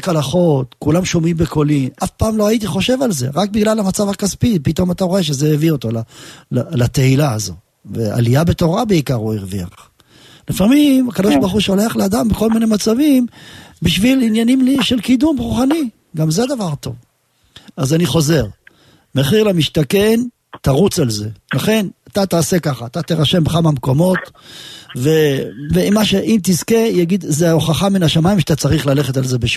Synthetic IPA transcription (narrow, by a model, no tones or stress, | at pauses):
kalaχo̞tkulamʃo̞mimbekʰo̞limafpaːmloait̬iχo̞ʃe̞valze̞̰ʁak̚biɡlalamat͡savhakaspipito̞mataʁo̞e̞ʃ̬ezeevio̞tolalalat̪eilaːzo̞̰ | vḛa̰liabe̞t̪o̞ʁabeikaʁuiʁvia̰χ | lifamimakad̪oʃbaʁχuʃo̞le̞aχlead̪ambeko̞lmine̞mat͡savimbiʃvilinjanimliʃelkid̪umʁuχani | ɡamzead̪avaʁt̪o̞̰v | azaniχo̞ze̞ʁ | meχiʁlamiʃt̪ake̞n | t̪aʁut͡salze̞laχe̞nat̪at̪aːse̞kaχaːt̪at̪eʁaʃe̞mbeχamamko̞mo̞t̪ | veveimːaʃeʔimt̪izkejaɡid̪zeoχaχaminaʃamaimʃat̪at͡saʁiχlale̞χe̞t̪alze̞beʃ